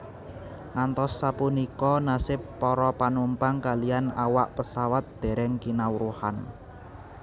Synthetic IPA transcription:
ŋant̪ɔsːapunikɔnasɪpːɔɾɔpanumpaŋkalijanawaʔpəsawat̪̚d̪̥ɛ̤ɾɛŋkinawɾuha̰n

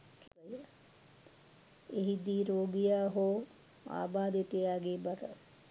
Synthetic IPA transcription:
kʰ | əjə | eɦid̪iːɾoːɡijaːɦoː | a̰ːbaːd̪eʈejaːɡeːbɐɾə̰

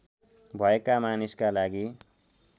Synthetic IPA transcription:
bʱʌekamaniskalaɡi

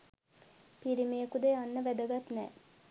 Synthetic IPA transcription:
piɾimejəkud̪eanːəʋæd̪əɡat̪nɛ̰ː

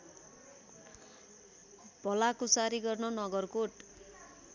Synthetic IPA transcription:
b̥ʌlakusaɾiɡʌrnʌnʌɡʌrkoʈ

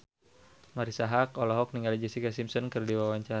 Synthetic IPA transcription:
maɾisaɦakɔlɔɦɔk̚niŋɡalid͡ʒɛsikasimsɔnkɨrdiwawaɲt͡ʃaɾ

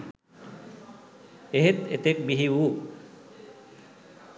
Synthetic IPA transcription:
eɦet̪ḛt̪ek̚biɦiwu

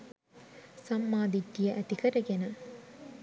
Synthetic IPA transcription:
sɐmːaːd̪idːijɐʔæt̪ikɐɾɐɡenɐ

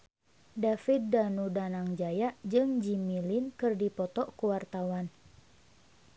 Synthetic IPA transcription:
dafit̪̚danudanaŋd͡ʒajaʔd͡ʒɨŋd͡ʒimilinkɨrdipɔt̪ɔʔkuwart̪awan

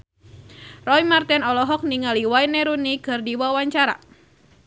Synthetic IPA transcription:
rɔjmart̪ɛnɔlɔɦɔk̚niŋaliwainɛɾunikɨrdiwawaɲt͡ʃaɾa̰

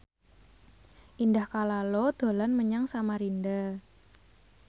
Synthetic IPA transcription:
ʔindahkalalod̪̥o̤lanməɲaŋsamaɾinda

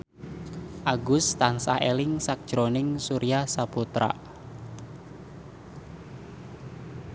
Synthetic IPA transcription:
ʔaɡʊst̪ansa̰helɪŋsak̚d̥ʒ̥ɾonɪŋsuɾiahsaput̪ɾa̰

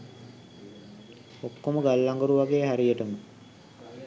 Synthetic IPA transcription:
okːoməɡalːaŋɡoɾuʋaɡeːɦæɾijəʈəmə

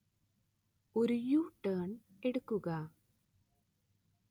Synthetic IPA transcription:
oɾujuːʈːɐːɳ | eɽukːuɣɐ

